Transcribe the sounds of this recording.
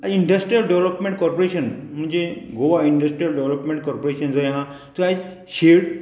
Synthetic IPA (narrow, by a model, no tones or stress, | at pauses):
aiɳɖəsʈɾijəlɖeʋləpmẽɳʈ̚kɔɾpoɾeɕənm̤ə̃ɳd͡zeɡoʋaiɳɖəsʈɾijəlɖeʋləpmẽɳʈ̚kɔɾpoɾeɕənd͡zajɦã | t̪oad͡ʑ | ɕeɾɽ